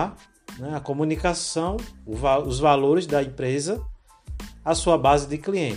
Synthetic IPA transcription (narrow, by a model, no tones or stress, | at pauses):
nɛɐkomũnikasɐ̃w̃vaʊzvaloɾɪzd̪ɐẽpɾezɐ | asuɐbazɪd̪ɪkliẽ